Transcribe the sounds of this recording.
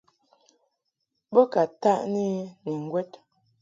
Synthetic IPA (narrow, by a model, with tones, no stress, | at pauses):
bə˦ka˨ta˦ʔni˦ni˨ŋ̩˨ɡwɛ˦t